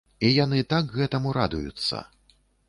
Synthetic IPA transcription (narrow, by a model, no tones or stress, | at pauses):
ijanɨt̪akɣɛt̪ɐmuɾa̰d̪ujṵt̪sːɐ̰